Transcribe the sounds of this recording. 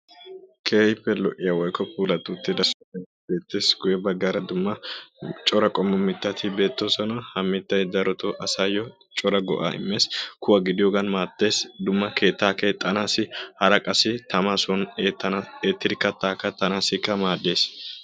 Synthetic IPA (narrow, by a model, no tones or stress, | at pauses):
kʰeːhɪpːɛlɔʔɪjɐwɔjkːɔpʰuːlɐt̪ːuːt̪ːɪd̪ɐs | ɛ | be̞ːt̪ːe̞ːsɡʊjɛbɐɡɐɾɐd̪ʊmːɐt͡ʃʼɔɾɐkʼɔmːɔmɪt̪ːɐt̪ʰɪbe̞ːt̪ːosɔnɐhɐmːɪt̪ːɐjd̪ɐɾɔt̪oʔɐsaːjɔ | t͡ʃʼɔɾɐɡɔ̰ʔa̰ːɪ̰mːe̞ːskʊwɐɡɪd̪ɪjɔɡɐnmaːt̪ːe̞ːsd̪ʊmːɐke̞ːt̪ːaːkeːt̪ʼːɐnaːsɪhɐɾɐkʼɐsɪt̪ɐmasɔnɐeːt̪ːɪɾkːɐt̪ːaːkːɐt̪ːɐnaːsɪkːɐmaːd̪ːe̞ːs